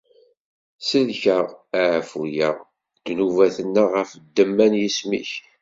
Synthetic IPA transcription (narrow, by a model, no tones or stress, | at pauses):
səlçəʁæʕfujəʁ | d̪̥nuvæθənːaʁəfd̪ːəmːænjismḭç